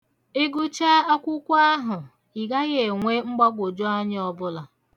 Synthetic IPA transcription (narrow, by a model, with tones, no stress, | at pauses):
e˦ɡu˦t͡ʃa˦a˦kʷʊ˦kʷa˦ɦʊ˨ | i˨ɡa˦ɣe˨ŋʷe˦ŋ͡m̩˦ɡ͡ba˦ɡʷo˨d͡ʒo˦a˦ɲɪ˦ɔ˦bʊ˦la˨